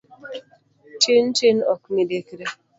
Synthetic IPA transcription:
tintinɔkmidekɾe

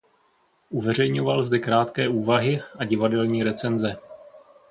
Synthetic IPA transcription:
ʔuvɛr̝ɛjɲovalzd̪ɛkɾaːt̪kɛːʔuːvaɦɪʔaɟɪvadɛlɲiːɾɛt͡sɛnzɛ

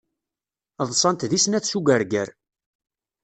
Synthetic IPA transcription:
ðˤsˤɑnt̪ðisnæθsuɡəɾɡæɾ

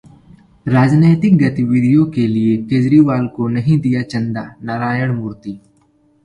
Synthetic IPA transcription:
ɾaːd͡ʒneːt̪ɪk̚ɡɐt̪iʋiɽijõkeliekeːd͡ʒɾiʋaːlkonɐɦĩd̪ijat͡ʃɐ̃nd̪anaːɾaːjəɽ̃mʊːɾt̪iː

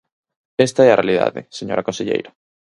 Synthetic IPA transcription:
est̪aɛɐrealiða̰ðɪ̰seɲoɾɐkõnseʎḛjɾɐ

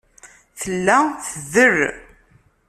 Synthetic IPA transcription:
θəlːæθəðər

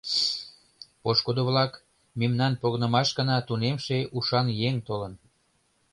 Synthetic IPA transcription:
poʃkod̪oβlɑk | memnɑnpoɣnə̆mɑʃɡə̆nɑt̪unemʃeʔuʃɑnjeŋt̪olən

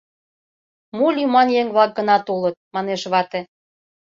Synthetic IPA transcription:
molʲymɑnjeŋβlɑk̚ɡənɑt̪olət̪̚mɑneʃβɑt̪ĕ

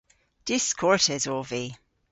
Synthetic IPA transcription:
d̥ɪskʰɔɹtɛzɔvi

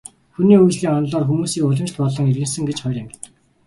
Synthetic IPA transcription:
xuniːujt͡ɕɮiːŋɔnɮɔːrxumuːsiːkʊɮə̆nt͡ɕt̪pɔɮɞ̆ŋerɣɘ̆nsɘ̆ŋɡet͡ɕχœjrʲamʲ

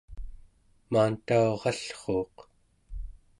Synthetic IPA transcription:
maːnt̪aoʁɑɬχoːq

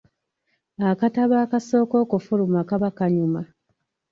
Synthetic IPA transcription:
akataβaːkaso̞ːko̞ːkufulumakaβakaɲuma

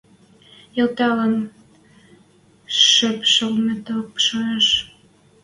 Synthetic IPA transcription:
elt̪ɑlən | ʃøpʃəlmet̪opʃoeʃ

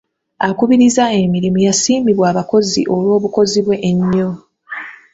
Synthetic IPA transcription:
akuβiɾizae̞miɾimujasiːmiβwaːβako̞zḭʔo̞lwo̞ːβuko̞ziβwe̞ʔːɲːo

